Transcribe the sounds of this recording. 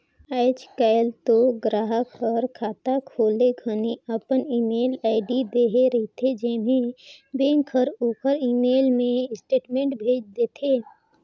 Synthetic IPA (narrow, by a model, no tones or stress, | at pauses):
əːɪt͡ʃkaːlt̪oɡɾaːɦəkɔːɾkʰaːt̪akʰoːleɡʱəniəpəniːmeːlaːɪɖid̪eːɦeɾəit̪ʰed͡ʒemẽbeːŋkʰəɾoːkəɾiːmeːlmẽsʈeːʈmẽːɳʈbʱeːd͡ʒd̪et̪ʰeː